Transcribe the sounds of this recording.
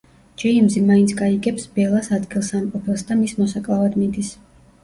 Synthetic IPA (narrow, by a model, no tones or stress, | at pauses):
d͡ʒɛimzimaint̪sʰɡaiɡɛpsbɛlˠasad̪ɡilˠsamqʼɔpʰɛlˠsd̪amismɔsakʼlˠavad̪mid̪is